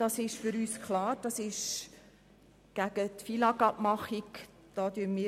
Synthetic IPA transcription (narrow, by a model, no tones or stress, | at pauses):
d̥ɑsɪʃfyɾyːskʰlɑːrd̥ɑsɪʃ | ɡ̥æɡ̥ətfilɑɡɑp̚mɑχik | d̥ɑdyːnmiː